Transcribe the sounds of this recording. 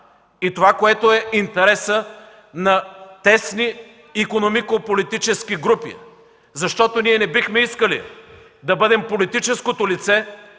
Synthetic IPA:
it̪ovakoɛt̪oɛint̪ɛɾɛsə | nɐt̪ɛsniː | konomikopolit̪it͡ʃɛskiɡɾupḭ | zɐʃt̪ɔt̪oniɛnɛbixmɛiskəlḭ | d̪ɐbɤd̪ɛmpolit̪it͡ʃɛskot̪olit̪sɛ

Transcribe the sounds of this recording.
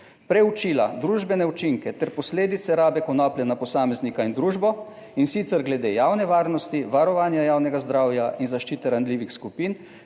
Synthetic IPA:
pɾɛut͡ʃiːlad̪ɾuːʒbɛnɛut͡ʃiŋkɛt̪ɛɾpɔsleːd̪it̪sɛɾaːbɛkɔnɔːplʲjɛnapɔsaːmɛznikaind̪ɾuːʒbɔ | insit̪sɛɾɡlɛd̪ejaːwnɛʋaːɾnɔst̪iʋaɾɔʋaːnjajaːwnɛɡazd̪ɾaːwjaʔinzaʃt͡ʃiːt̪ɛɾand̪liːʋixskupin

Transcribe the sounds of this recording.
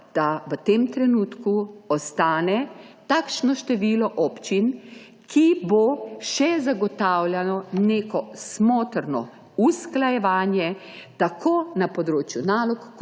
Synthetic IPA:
d̪̥aʋət̪emt̪ɾɛnuːt̪kuɔst̪aːnɛt̪aːkʃnɔʃt̪ɛʋiːlɔʔɔpt͡ʃin | kʰiboʃɛzaɡɔt̪awljanɔneːkɔsmoːt̪ɾnɔ̰ | usklajɛʋaːnjɛt̪akʰoːnapɔd̪ɾoːt͡ʃjunaːlɔkː

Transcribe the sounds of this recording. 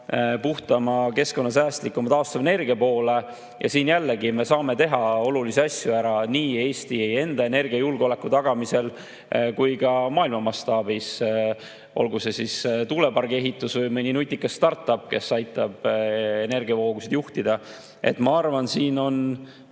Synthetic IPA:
puht̪ɑmɑke̞sko̞nːɑs̬æːst̪likːˑumɑt̪ɑost̪ɑmene̞rɡ̥iɑpo̞ːle̞ | jɑ̰siːnjælːe̞ɡime̞sɑːme̞t̪e̞ɦɑo̞luliseɑsʲjuæɾɑniːe̞ːst̪ieje̞nd̪̥ɑe̞ne̞rɡ̥iɑjulɡ̥o̞le̞kːˑut̪ɑɡ̥ɑmise̞l | kujɡɑmɑːilmɑmɑst̪ɑːbis | ʔo̞̰lɡuse̞sist̪ule̞pɑrɡ̥e̞ɦit̪ːˑusvɯjmɯnʲinut̪ʲːˑikːˑɑst̪ɑrt̪ːˑɑpːˑke̞sɑjt̪ˑːɑb̥e̞ne̞rɡiɑvo̞ːɡusid̪̥juht̪id̪̥ɑ | ʔe̞̰t̪ːmɑɑrvɑnsiːno̞n

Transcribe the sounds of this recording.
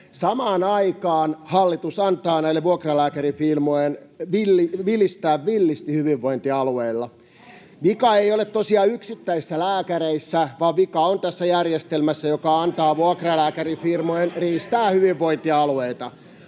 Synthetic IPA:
sɑmɑːnɑikɑːnhɑlːit̪usɑnt̪ɑːnæilːeʋuokrɑlæːkærifilmojenʋilːiʋilːist̪æːʋʋilːist̪ihyʋiʋːo̞int̪iɑlueilːɑ | ʋikɑejolet̪t̪osiɑyksit̪ːæisːælæːkæɾeisːæʋɑʋʋikɑont̪æsːæjærjest̪elmæsːæjokɑɑnt̪ɑːʋuɑkrɑlæːkærifirmojenriːst̪æːhyʋiʋːoint̪iɑlueit̪ɑ

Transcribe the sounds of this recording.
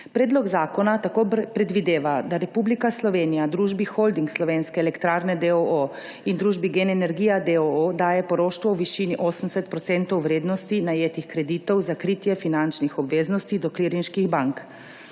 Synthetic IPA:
pɾeːd̪lɔɡzaːkɔnat̪akoːpɾɛd̪ʋid̪eːʋad̪aɾɛpublikaslɔʋeːnijad̪ɾuːʒbixold̪iŋkslɔʋeːnskɛːlɛkt̪ɾaːɾnɛd̪ɛoo | ind̪ɾuːʒbiɡenɛnɛɾɡiːjad̪ɛood̪aːjɛpɔɾoːʃt̪ʋɔwʋiʃiniʔoːsəmsɛt̪̚pɾɔt̪sɛnt̪ɔwʋɾeːd̪nɔst̪inajeːt̪ixkɾɛd̪iːt̪ɔwzakɾiːt̪jɛfinant͡ʃnixɔbʋeːznɔst̪id̪ɔkliɾinʃkiɣbaŋk

